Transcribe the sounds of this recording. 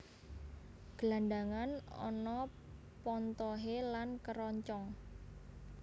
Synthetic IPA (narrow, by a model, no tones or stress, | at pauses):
ɡ̥laɳɖaŋanɔ̰nɔ | pɔnt̪ɔɦelankəɾɔɲt͡ʃɔŋ